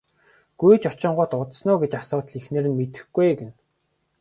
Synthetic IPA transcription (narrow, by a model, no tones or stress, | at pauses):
ɡ̥ujt͡ɕɔt͡ɕɪ̆ɴɢʊ̆t̪ʊt̪snʊːɡet͡ɕasʊːt̪ɮixneːɾɘ̆nmet̪ɘ̆xɡujɡen